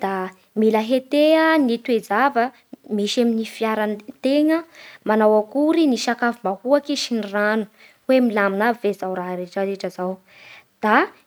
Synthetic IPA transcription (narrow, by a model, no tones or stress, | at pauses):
d̪̥a | miləɦet̪eənit̪wezavə | miʃaminifiaɾant̪eŋəmanawakuɾiniʃakavumahuakiʃiniranu̥ | wemilaminavezawɾaɾeʈ͡ʂaɾeʈ͡ʂəzaw | d̪̥a